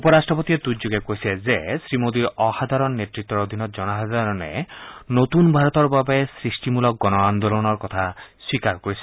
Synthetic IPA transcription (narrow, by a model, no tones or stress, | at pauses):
upɔɾasʈɾɔpot̪ied̪ud͡ʒoɡekoisezesɾimod̪iɾɔhad̪ʱaɾɔnːet̪ɾit̪ːɔɾod̪ʱinɔt̪d͡ʒɔnaɦazaɾɔnḛnot̪unbʱaɾɔt̪ɔɾbabesɾisʈimulɔk̚ɡɔnɔand̪olɔnɔɾkɔt̪ʰaswikaɾkoɾisʰe̥